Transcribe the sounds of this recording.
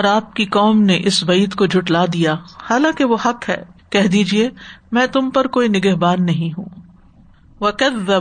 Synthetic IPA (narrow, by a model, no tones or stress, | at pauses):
ɔːɾaːp̚kikɔːmneʔɪsbɐiːd̪kod͡ʒʱʊʈlad̪ijahaːlãːkeʋohɐqɦɛ̰ːkɛɦd̪iːd͡ʒiemɛ̃ːt̪ʊmpɐɾkoːinɪɡɛɦbaːnːɐɦĩɦṵ̃ː | ʋɐkɐðːɐ